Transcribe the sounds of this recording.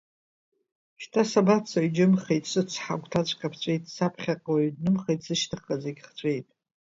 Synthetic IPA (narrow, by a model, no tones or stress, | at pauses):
ʃtʰasabat͡sʰaɥd͡ʒɪmχejtʼsɨt͡sʰħa̰ɡʷtʰat͡ɕʷʼkʼapʰt͡ɕʷʼe̞jtʼsapʰχʲaqʼoɥdnɨmχejtʼz̥ɨʃtʰɨχazeɡʲχt͡ɕʷʼe̞jtʼ